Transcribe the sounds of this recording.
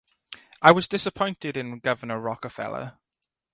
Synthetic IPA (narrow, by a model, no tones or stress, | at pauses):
ʔaɪwɒzdɪsəpʰɔ̃ɪ̃ntɪdɪ̃nɡʌvənəɹɒkəfɛ̰lə̰